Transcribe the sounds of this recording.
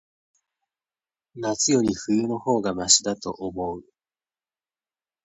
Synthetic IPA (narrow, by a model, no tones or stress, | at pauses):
nat͡sɨjo̞ɾʲiɸɯ̟jɯ̟no̞ho̞ːɡamaɕid̪at̪o̞ʔomo̞ɯ